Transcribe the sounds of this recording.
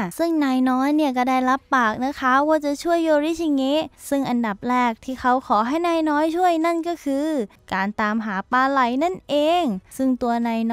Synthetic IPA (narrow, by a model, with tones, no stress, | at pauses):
sɯ˥˩ŋnaː˧jnɔː˦˥jni˥˩kɔː˥˩daː˥˩jɾa˦˥pːaː˨˩k̚na˦˥kʰa˦˥waː˥˩t͡ɕa˨˩t͡ɕʰu˥˩əjːoː˧ɾiː˦˥˩t͡ɕʰi˧ŋe˦˥sɯ˥˩ŋʔa˧nda˨˩p̚ɾɛː˥˩k̚t̪ʰiː˥˩xʰa˦˥wkʰɔː˩˦ɦa˥˩jnaː˧jnɔː˦˥jt͡ɕʰu˥˩əjna˥˩nkɔː˥˩kʰɯː˧ | kaː˨nt̪aː˧mɦaː˩˦paː˧la˨˩˦jna˥˩nʔeː˧ŋsɯ˥˩ŋt̪u˧ɐnaː˧jn